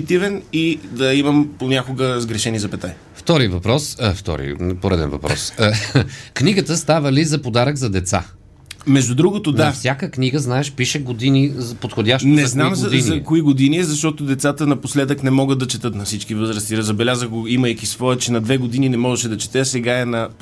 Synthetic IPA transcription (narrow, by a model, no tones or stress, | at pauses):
it̪ivɛnid̪ɐimɐmponʲakoɡəzɡɾɛʃɛnizɐpɛt̪a | ft̪ɔɾivɐpɾɔsft̪ɔ̰ɾḭpoɾɛd̪ɛ̰nvɐ̰pɾɔ̰s | kniɡət̪əst̪avəlizɐpod̪aɾəɡzɐd̪ɛt̪sa̰ | mɛʒd̪ʊd̪ɾuɡot̪onafsʲakəkniɡəznaɛʃpiʃɛɡod̪inizɐpot̪xodʲaʃt̪nɛznamzɐd̪inzɐkoiɡod̪iniɛzɐʃt̪ɔt̪od̪ɛt̪sat̪ənɐposlɛd̪əknɛmɔɡət̪̚d̪ɐt͡ʃɛt̪ɤt̪nɐfsit͡ʃkivɤzɾəst̪iɾzɐbɛlʲazəɣɡoiməjkisvɔɛt͡ʃɛnɐd̪vɛɡod̪ininɛmɔʒɛʃɛd̪ɐt͡ʃɛ̥t̪ɛsɛɡaɛnɐ